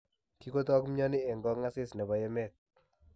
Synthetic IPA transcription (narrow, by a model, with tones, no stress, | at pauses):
ki˦ko˦tɔ˦kmɲɔ˦nɪ˦ɛ˨ŋɡɔ˦ŋa˦sɪ˦snɛ˨ba˨jɛ˦mɛ˦˨t̪̚